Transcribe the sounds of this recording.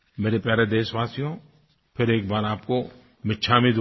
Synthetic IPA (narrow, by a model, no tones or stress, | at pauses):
meːɾepjaːɾed̪eːsʋaːsijõ | pʰɪɾeːk̚baːɾaːpko | mɪtːʃʰaːmid̪ʱ